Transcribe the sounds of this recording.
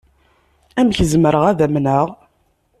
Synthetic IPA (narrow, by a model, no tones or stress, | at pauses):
æmçəzməɾəʁæðæmnəʁ